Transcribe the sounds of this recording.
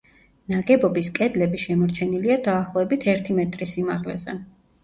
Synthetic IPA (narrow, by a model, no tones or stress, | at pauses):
naɡɛbɔbiskʼɛd̪lɛbiʃɛmɔɾt͡ʃʰɛniliad̪aːχlˠɔɛbit̪ʰɛɾt̪ʰimɛt̪ʼɾisimaʁlɛ̰zɛ̰